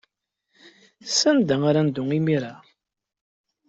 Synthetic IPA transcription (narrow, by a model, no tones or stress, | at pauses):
sænd̪æŋaɾand̪ʊŋimiɾa